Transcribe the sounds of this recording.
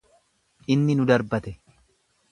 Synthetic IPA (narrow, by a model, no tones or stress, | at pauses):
ʔɪnːɪnʊd̪ɐɾbɐt̪ɛ